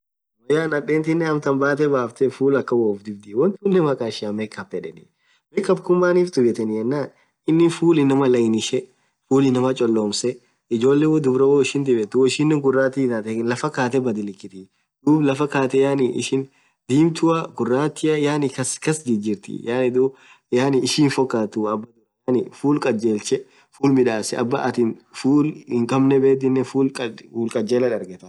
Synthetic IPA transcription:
wɐjaːnɐɗeːnt̪ɪnːɛɐmt̪ɐmbaːt̪̬ɛbaːft̪ɛfuːlɐkːɐwoːfd̪ɪbd̪ɪwɔnt̪ʊnːɛmɐkʼaːʃɪɐmeːkːɐpːɛᶑɛnɪ̰ | meːkːɐb̚kʊmːaːniːft̪ʊbɛt̪ɛnɪjɛnːaːn | ɪnːɪfuːlɪnɐmɐlɐɪnɪʃɛ | fuːlɪnɐmɐt͡ʃʼɔlːo̞ːmsɛ | ɪd͡ʒo̞ːlːewɔd̪ʊbɾɐwoɪʃɪnd̪ɪbɛt̪ːʊwɔɪʃɪnːɛŋɡʊrːaːt̪ɪt̪at̪ɛlɐfɐkaːt̪̬ɛbɐd̪ɪlɪkːɪt̪ɪ | d̪̥uːblɐfɐkaːt̪ɛjaːnɪʔɪ̰ʃɪn | d̪iːmt̪ʊɐɡʊrːaːt̪ːɪɐjaːnɪkɐskɐsd̪ɪd͡ʒɪɾt̪ɪ̰jaːnɪd̪uː | jaːnɪɪʃiːnfɔkːaːt̪ʊɐbːɐd̪ʊɾɐjaːnɪfuːlkʼɐd͡ʒeːlt͡ʃɛ | fuːlmɪᶑaːsɛʔɐ̰bːɐ̰ʔɐt̪ɪnfuːlɪŋkʼɐmnɛbe̞ːd̪ɪnːɛfuːlʼɐuːlkʼɐd͡ʒeːlɐᶑɐɾɡɛt̪ɐ

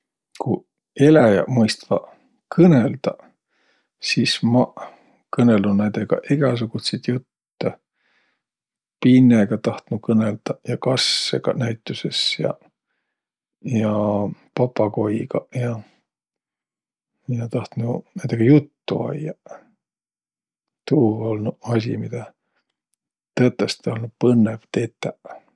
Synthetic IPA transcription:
ku | e̞læjɑ̰mɤjst̪vɑ̰ | kʰɤneld̪̥ɑ | siːsmɑ | kɤne̞lunænd̪̥eɡ̥ɑ̰ʔiɡ̥ɑs̬uɡ̥ut̪sejd̪jut̪ːe | pinːeɡ̥ɑt̪ɑht̪nukɤneld̪̥ɑjɑkɑsːeɡ̥ɑ̰næjt̪ːˑuse̞sjɑ̰ | jɑpɑpːˑɑko̞jɡ̥ɑjɑ | jɑt̪ɑht̪nunænd̪eɡ̥ɑjut̪ːuɑ̰jɑ | t̪uːo̞lnuɑs̬ʲḭmid̪̥ɑ | t̪eːt̪ːˑest̪eolnupɤnːev̥t̪e̞ːt̪ːˑæ

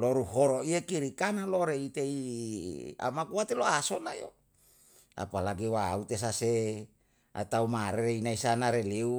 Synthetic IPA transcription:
loɾuɦoɾoiakiɾikanaloɾeit̪ei | a̰makuwat̪eloasonajo | a̰palaɡewaut̪es̬ase | a̰t̪aumaɾeɾeinaisanaɾeleu

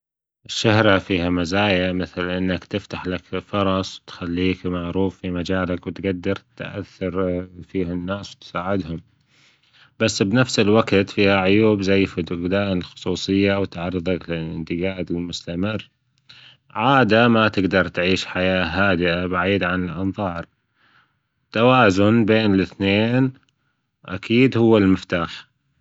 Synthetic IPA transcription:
ʔɪʃːahɾafiːhamazaːjamɪθlʔɪnːakt̪ɪft̪aħlakfʊɾˤɑsˤwt̪xalːiːkmaʕɾuːfːimad͡ʒaːlakwt̪ɡad̪ːɑɾˤt̪ʔa̰θːɑɾˤfiːhanːaːswt̪saːʕɪd̪hʊm | basːbnafsɪlwakt̪fiːhaʕʊjuːbzajːfɪd̪ʊɣd̪aːʔnɪlxʊ̥sˤuːsˤɨjːawt̪aʕɑɾˤːɨðˤɑklɪlʔɪ̰nt̪ɪɡaːd̪ɪlmʊst̪amɪrː | ʕaːd̪amat̪ɪɡd̪ɑɾˤt̪ʕiːʃħajaːɦaːd̪ɪʔabaʕiːd̪ʕanɪlʔɑnðˤɑːɾˤ | t̪ːawaːzʊnbeːnɪlɪθneːn | ʔa̰kʰiːd̪hʊwːɪlmɪft̪aːħ

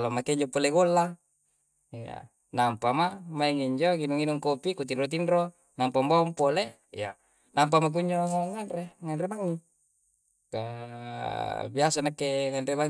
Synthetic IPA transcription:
lomakeiɲd͡ʒopoleɡolːa | ija̰ | nampamamaiŋiɲd͡ʒoŋinuŋinuŋkopikut̪inrot̪̬inro | nampambaumpole | ija̰ | namp̬amak̬uɲd͡ʒoŋaŋːanɾeŋanɾebaŋːi | ka | biasanakeŋanrebaŋ

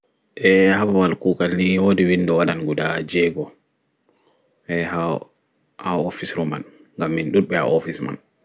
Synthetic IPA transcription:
ʔɛhabawalkuːkalniwodiwindɔwaɗanɡudad͡ʒɛɡɔ | ʔɛha | haofisɾɔma̰n | ŋɡamːinɗulɓɛa̰ʔɔfisma̰n

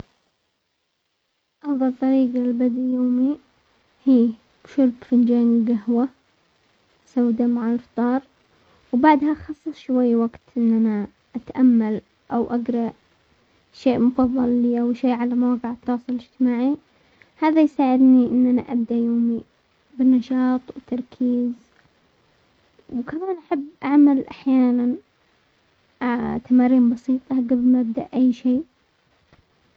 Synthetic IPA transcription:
ʔɑfðˤɑlt̪ˤːɑɾiːɡalbad̪joːmi | hiː | bʃʊɾbfɪnd͡ʒaːniɡahwa | sawːd̪amaʕalft̪ˤɑːɾˤ | wbaʕd̪haʔxɑsˤːɨsˤʃwajːwaɡt̪ʔɪnːana | ʔat̪ʔamːal | ʔawʔaɡɾˤɑʔ | ʃeːʔmʊfɑðˤːɑlːiːʔawʃeːʕalamawɡɪʕɑt̪ːɑːsˤɨlɪd͡ʒt̪ɪmaːʕi | haːðajsaːʕɪd̪niʔɪnːʔanaʔab̚d̪aʔjoːmi | bɪnːɑʃɑːt̪ˤwt̪ʰːɑɾˤkʰiːz | wkamaːnʔaħabːʔaʕmalʔa̰ħjaːnan | at̪ʰamaːɾiːmbɑsiːt̪ˤɑɡablmaʔab̚d̪aʔʔajːʃiː

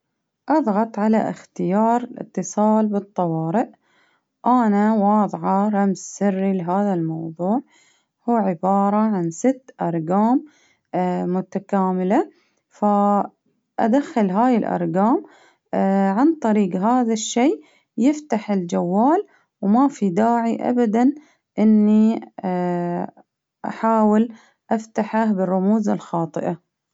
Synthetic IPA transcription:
ʔɑðˤɣɑt̪ˤʕala̰ʔɪ̰xt̪ɪjɑːɾˤɪlʔɪ̰t̪ːɨsˤɑːlbɨt̪ˤːɑwɑːɾɪʔ | ʔanawɑːðˤʕɑɾˤɑmzsɪrːilɪɦaːðalmɑwðˤuːʕ | huːʕɪbɑːɾˤɑʕansɪt̪ːʔɑɾˤɡaːmː | ʊt̪akaːmɪla | fa | ʔad̪axːɪlɦaːjɪlʔɑ̰ɾˤɡaːm | ʕant̪ˤɑɾiːɡɦaːðaʃːeː | jɪft̪aħɪld͡ʒawːaːl | wmafid̪aːʕiʔa̰bad̪an | ʔɪnːi | ʔa̰ħaːwɪl | ʔaft̪aħahbɪrˤːʊmuːzalxɑːt̪ˤɨ̰ʔa

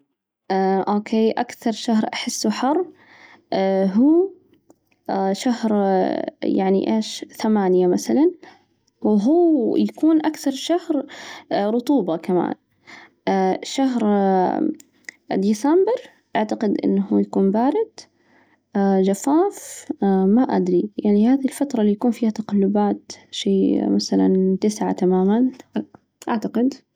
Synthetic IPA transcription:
ʔaʔoːkʰeːʔakθɑɾˤʃahɾʔaħɪsːuħɑrˤː | ɦuː | ʃahɾ | jaʕnḭʔḛːʃθamaːnjamaθalan | wɦuːjakuːnʔakθɑɾˤʃahɾ | ɾˤʊt̪ˤuːbakama̰ːnː | ʃaɦɾ | d̪iːsambɪɾ | ʔaʕt̪aqɪd̪ʔɪ̰nːahujakuːnbaːɾɪd̪̥ | d͡ʒafaːfmaʔa̰d̪ɾijaʕnihaːðilfat̪ɾˤɑlijakuːnfiːhat̪aqalːʊbaːt̪ʃeːmaθala̰nt̪ɪsʕa̰t̪amaːman | ʔaʕt̪aqɪd̪

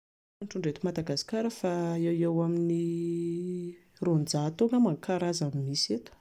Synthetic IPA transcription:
aɳʈ͡ʂuɳɖ͡ʐet̪umad̪aɡasi̥kaɾəfaewewamini | rond͡zat̪oŋəmaŋkaɾazamimiset̪u̥

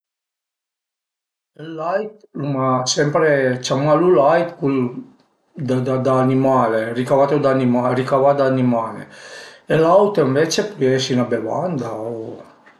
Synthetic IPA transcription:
elːajt̪lumasɛmpɾet͡ʃamalulajt̪kul | d̪ad̪ad̪aːnimaːlerikavat̪od̪animarikavad̪aːnimaːnḛelawt̪iɱvet͡ʃepɔjɛsinabeva̰nd̪ao

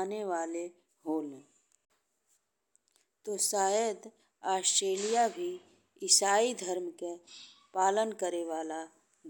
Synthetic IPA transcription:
neʋaːle | ɦoːle | t̪oːsaːjəd̪ | aːsʈɾeːlijabʱi | ɪsaːid̪ʱəɾmke | paːlənkəɾeʋaːla | d̪

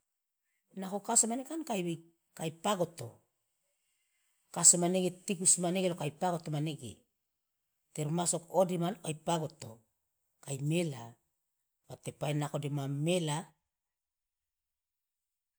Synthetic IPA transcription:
nakokasomanekankajbe | kajpaɡo̞to̰ | kasomaneɡetikusmaneɡelokajpaɡotomaneɡḛ | teɾumaso̞kodimanokajpaɡo̞to̰ | kajmela | batepaenako̞demamela

